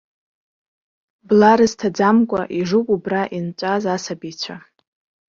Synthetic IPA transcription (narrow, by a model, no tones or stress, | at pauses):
blaɾɨztʰad͡zamkʷʼaʔiʐukʷʼubraʔint͡ʃʷʼazasabit͡ɕʷʰa